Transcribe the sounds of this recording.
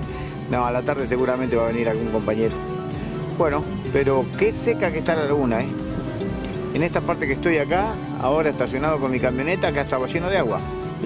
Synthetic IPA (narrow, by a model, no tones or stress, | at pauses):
noalat̪aɾðes̬e̞ɣuɾament̪e̞βaβe̞niɾalɣuŋko̞mpaɲeɾo | bwe̞no̞ | peɾo̞ke̞sekakeht̪alalaɣunae | enest̪apaɾt̪ekest̪o̞jaka | a̰o̞ɾaest̪asjo̞nað̞o̞ko̞nmikamjo̞ne̞t̪akeast̪awβaʃenoðeaɣwa̰